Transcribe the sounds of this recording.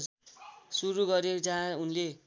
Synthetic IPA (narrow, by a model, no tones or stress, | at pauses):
suɾuɡʌɾed͡zãunle